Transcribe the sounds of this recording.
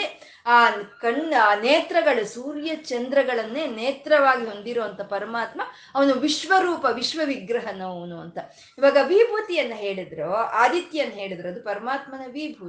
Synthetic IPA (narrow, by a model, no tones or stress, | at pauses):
e | aːkɐɳaːneːt̪ɾɐɡɐɭusuːɾjɐt͡ʃɐnd̪ɾɐɡɐɭɐnːeːneːt̪ɾɐʋaːɡiɦo̞nd̪iɾoːɐnt̪ɐpɐɾɐmaːt̪mɐ | ɐʋɐnuʋiʃʋɐɾuːpɐʋiʃʋɐʋiɡɾɐɦɐnɐnuɐnt̪ɐ | iʋaːɡɐːbʱibʱut̪ijɐnːɐɦeːɭid̪ɾoːaːd̪it̪jɐnːɐɦe̞ːɭid̪ɾɐd̪upɐɾɐmaːt̪mɐnɐbʱibʱu